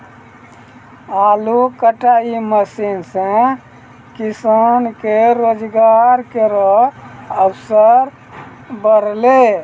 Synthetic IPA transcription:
alukəʈaiməsinsẽ | kisankeɾod͡ʒɡaɾkeɾɔəbsəɾ | bəɾle

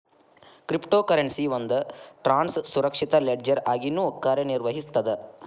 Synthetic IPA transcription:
kɾipʈoːkɐɾeɳsiʋɐnd̪ɐʈɾaːnssuɾɐkʂit̪ɐleɖd͡ʒɐɾaːɡinːuɔkːaːɾeniɾʋɐɦist̪ɐd̪e

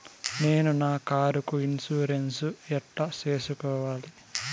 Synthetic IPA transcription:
ne̞ːnunaːkaːɾukuinsuːɾensuɛʈlɐt͡ʃe̞ːsukɔːʋaːli

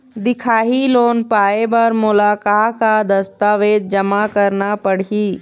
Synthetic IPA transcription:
d̪ɪkʰaːɦiloːnpaːebəɾmʊlaːkaːkad̪ɐst̪aːʋeːd̪̚d͡ʒɐmakəɾnapəɽ̤iː

